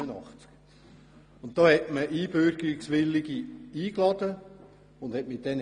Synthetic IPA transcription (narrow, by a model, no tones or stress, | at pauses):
ənɑχt͡sk | ʊnt̚d̥oːhɛtməʔiːbøɾɡɪksʋɪlːiɡiiːklɑd̥̪ə | ʊnd̥hɛtmɪt̚dɛn